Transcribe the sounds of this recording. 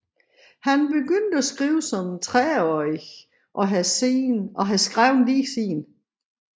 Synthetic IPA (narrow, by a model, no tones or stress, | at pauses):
hænb̥e̝ɡ̥øn̰d̥əæsɡ̥ʁiːʊsɒ̽mt͡sʰʁɛɒ | ʔɒ̽ɦæse̝̰ːnɒ̽ɦæsɡ̥ʁaʊnliːsḭːn